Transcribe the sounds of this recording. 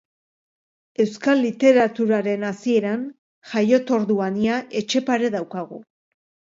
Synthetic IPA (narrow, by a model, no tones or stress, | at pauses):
e̞wskalːit̪e̞ɾat̪uɾaɾe̞nasie̞ɾan | ʝajo̞t̪o̞ɾðuaniaʔe̞t͡ʃe̞paɾe̞ðawkaɣ̞u